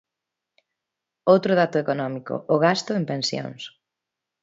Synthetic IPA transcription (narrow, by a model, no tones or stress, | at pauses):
owt̪ɾʊðat̪ʊekonɔmiko̰ʔːɣast̪ʊempẽnsjõ̰ŋs